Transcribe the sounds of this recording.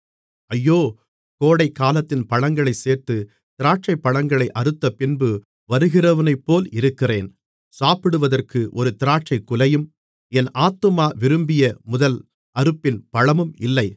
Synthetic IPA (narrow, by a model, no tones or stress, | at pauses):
ɐjːoː | koːɽɐɪkːaːlɐt̪ːɪnpɐɻɐŋɡɐɭɐɪseːrt̪ːɯ | t̪ɪɾaːʈ̚t͡ʃɐɪpːɐɻɐŋɡɐɭɐɪʔɐɾɯt̪ːɐpɪnbɯ | ʋɐɾɯɣɪrɐʋɐnɐɪpːoːlɪɾɯkːɪreːn | saːpɪɽɯʋɐðɐrkɯʔɔɾɯt̪ɪɾaːʈ̚t͡ʃɐɪkːʊlɐjɯm | ɛnʔaːt̪ːɯmaːʋɪɾɯmbɪjɐmʊðɐl | ʔɐɾɯpːɪnpɐɻɐmɯmɪlːɐɪ